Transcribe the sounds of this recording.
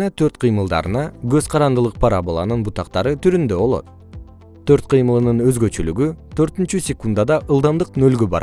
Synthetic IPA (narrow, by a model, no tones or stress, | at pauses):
ɑt̪ʰøɾt̪qʰɨjmɯlˠd̪ɑ̰ɾɯnɑɡø̞zqʰɑɾɑnd̪ɯlˠɯq̚pʰaɾabolˠɑ̰nɯnbut̪ɑqt̪ɑɾɯt̪ʰyɾynd̪ø̞βo̞lˠo̞̰t̪̚ | t̪ʰːø̞ɾt̪̚qʰɯjmɯlˠɯnɯnø̞zɡø̞t͡ʃylyɡyt̪ʰø̞ɾt̪ynt͡ʃysʲekund̪ad̪ɑʔɯlˠd̪ɑmd̪ɯqnø̞lɡøbɑ̰ɾ̰